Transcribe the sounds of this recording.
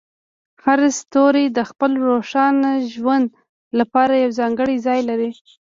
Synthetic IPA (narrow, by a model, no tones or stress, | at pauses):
haɾst̪oɾed̪əxpəlɾoʂɑnaʒwand̪ | lapɑɾajawzɑŋɡəɽizɑjlaɾi